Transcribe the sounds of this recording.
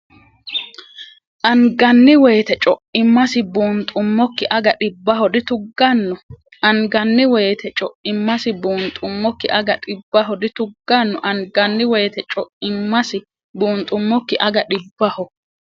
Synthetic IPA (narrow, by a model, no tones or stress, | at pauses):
ʔɐŋɡɐnːɪwɔjt̪ɛt͡ʃʼɔʔɪmːɐsɪbuːnt̪ʼʊmːɔkːɪʔɐɡɐɗɪbːɐhɔd̪ɪt̪ʊɡːɐnːɔ | ʔɐŋɡɐnːɪwɛjːt̪ʰɛt͡ʃʼɔʔɪmːɐsɪbuːnt̪ʼʊmːɔkːɪʔɐɡɐᶑɪbːɐɦɔd̪ɪt̪ʊɡːɐnːɔʔɐŋɡɐnːɪwɛjt̪ɛt͡ʃʼɔʔɪmːɐsɪ | buːnt̪ʼʊmːɔkːɪʔɐɡɐᶑɪbːɐhɔ